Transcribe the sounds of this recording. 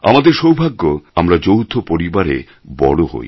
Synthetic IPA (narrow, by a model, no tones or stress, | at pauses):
a̰mad̪eɾʃowbʱaɡːoamɾad͡ʑowt̪ʰopoɾibaɾḛ | bɔ̰loɦo̰j